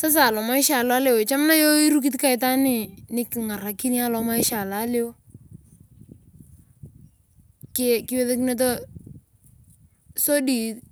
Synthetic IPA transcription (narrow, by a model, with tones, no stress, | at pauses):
sa˦s̬a˨lɔ˨ma˦ɪ˦ʃa˨la˦lɪ˦wt͡ʃa˦mna˦jo˦i˦ɾu˦k̬i˦t̬ka˦ɪ˦ta˦nɪ˦˨nɪ˦kŋa˨ra˨ki˦ni˦a˦lɔ˨ma˦ɪ˦ʃa˨la˨˦lɪ˦w | kɪkɪ˦wɛ˦ðe˦knɛ˦t̬ɔ˦ | so˦di˨t